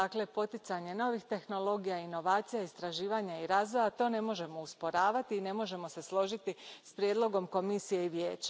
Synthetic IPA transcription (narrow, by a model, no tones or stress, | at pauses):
akle̞po̞t̪it̪saɲe̞no̞ʋixt̪e̞xno̞lˠo̞ɡijaino̞ʋaːt̪sijaist̪ɾaʒiːʋaɲaiɾaːzʋo̞jat̪o̞ːne̞mo̞ʒe̞mo̞uspo̞ɾaːʋat̪iːne̞mo̞ʒe̞mo̞se̞slˠo̞ʒit̪ispɾjeːd̪lˠo̞ɡo̞mko̞misije̞iʋjeːt͡ɕḁ